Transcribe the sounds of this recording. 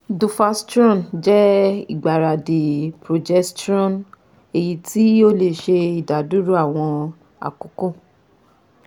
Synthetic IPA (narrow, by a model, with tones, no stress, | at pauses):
du˧fa˧stɔ̃˦˨nd͡ʒɛ˦i˨ɡ͡ba˨ɾa˨de˨pɾo˨d͡ʒɛ˦˧stɔ̃˦˨n | e˨ji˧tʰi˦o˦le˨ʃe˧i˨da˨˦du˦ɾu˦a˦˨w̃ɔ̃˧ | a̰˨ko˨˦ko˦˨